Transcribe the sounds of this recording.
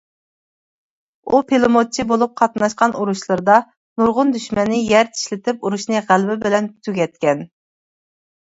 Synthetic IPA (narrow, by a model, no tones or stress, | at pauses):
upʰelˠɨmot͡ʃʰibolˠup̚qʰɑt̪nɑʃqɑnuɾuʃlˠɨɾd̪ɑ | nuɾʁʊnd̪yʃmɛnːɪjæɾt̪ʰi̥ʃlɪt̪ʰɪp̚uɾuʃnɨʁælbɪbɪlɛnt̪ʰyɡʲɛt̪̚kʲɛn